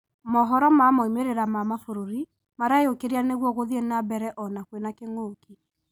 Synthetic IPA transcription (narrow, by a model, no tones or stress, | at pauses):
mɔɦɔɾɔmamɔimeɾeɾamamafoɾoɾi | maɾajokeɾianeɣwɔɣoðienabɛɾɛʔɔnakwenakeŋoːki